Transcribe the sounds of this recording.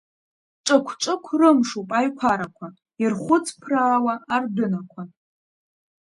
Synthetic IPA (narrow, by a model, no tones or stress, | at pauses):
ʈ͡ʂʼɨkʷʰʈ͡ʂʷʼɨkʷʰrɨmʂupʼajkʷʰaɾakʷʰa | irχʷʊt͡sʰʼpʰraːwaːrdʊnakʷʰa